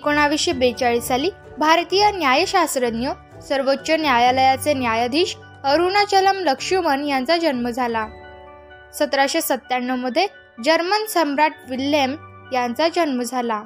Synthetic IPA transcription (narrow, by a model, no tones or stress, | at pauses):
ekoɳ̃aʋiɕjəbet͡ɕaɭisaliː | bʱaɾt̪ijənjajəɕasɾəd̪njə | səɾʋotːɕənjajaləjat͡senjajad̪ʱiːɕ | əɾunat͡ɕələmləkʂuʋənjãnt͡sad͡ʑənməd͡zʱala | sət̪ɾaɕesət̪ːaɳːəməd̪ʱːje | d͡ʑəɾmənsəmɾaʈ̚ʋilem | jãnt͡sad͡ʑənməd͡zʱala